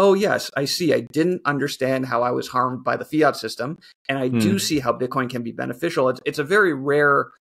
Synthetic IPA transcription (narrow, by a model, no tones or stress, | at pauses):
oʊjɛ̰sa̰ɪsiaɪdɪdⁿn̩tʌ̃ndə˞stæ̃nd̚ɦaʊaɪwʌ̰z̥hɑɹmd̚baɪðəfiɑtsɪstə̃m | ʔɨ̃ñaɪddɨsiɦaʊbɪt̚kʰɔ̃ɪ̃nkɨ̃nbibɛ̰nɨfɪʃl̩ˠətsɨtsɨvɛɹiɹɛɹ